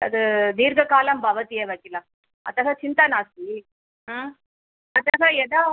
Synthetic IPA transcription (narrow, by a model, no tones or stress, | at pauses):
ɐ̰ðɯniːɾɡɐkaːlɐmbʱɐʋɐt̪ɪjeʋɐkːɪlɐ | ɐ̰t̪ːɐɣat͡ʃɪnt̪anaːsi | ɐt̪ːɐɣaːɛðaː